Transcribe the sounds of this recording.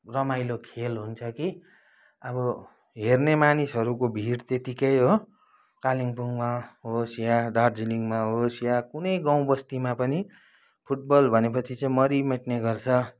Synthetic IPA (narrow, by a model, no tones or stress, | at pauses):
rʌmajlokʰelɦunt͡sʰʌki | ʌbʌ | ɦernemanisɦʌɾukobʱiɽt̪et̪ikʌjɦo | kaliŋpuŋmaɦosjad̪ard͡ziliŋmaɦosjakunʌjɡãw̃bʌst̪imapʌni | pʰuʈ̚bʌlbʱʌnepʌt͡sʰit͡sʌĩmʌɾimeʈneɡʌrt͡sʰʌ